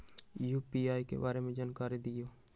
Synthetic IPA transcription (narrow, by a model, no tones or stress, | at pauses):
juːpiaːikḛbaːɾemẽd͡ʒaːnkaːɾid̪ɪjoː